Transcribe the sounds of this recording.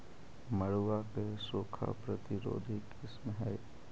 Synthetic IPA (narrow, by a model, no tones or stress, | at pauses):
məɽwakesoːkʰa̰pɾət̪ɪɾo̰ːd̪ʱɪkɪsmɦɛ